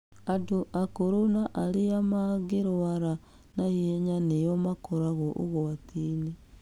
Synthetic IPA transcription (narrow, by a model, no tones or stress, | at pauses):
adoʔakuɾunaʔaliamaɡiɾoaɾa | najieɲanijomakoɾaɣoʔṵɣoatini